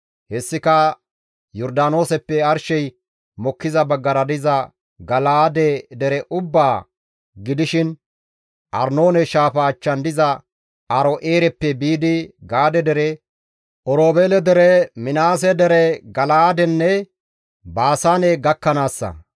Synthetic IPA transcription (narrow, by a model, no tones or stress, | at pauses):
hɛsːɪkɐ | jɔɾd̪aːno̞ːsɛpːɛɐɾʃɛj | mɔkːɪzɐbɐɡːɐɾɐd̪ɪzɐ | ɡɐlaːd̪ɛd̪ɛɾɛʔʊbːaː | ɡɪd̪ɪʃɪn | ʔɐ̰ɾno̞ːnɛʃaːfɐːt͡ʃːɐnd̪ɪzɐ | ɐɾɔʔeːɾɛpːɛbiːd̪ɪɡaːd̪ɛd̪ɛɾɛ | ʔɔɾoːbeːlɛd̪ɛɾɛmɪnaːs̬ɛd̪ɛɾɛɡɐlaːd̪ɛnːɛ | baːsaːnɛɡɐkːɐnaːsːɐ̰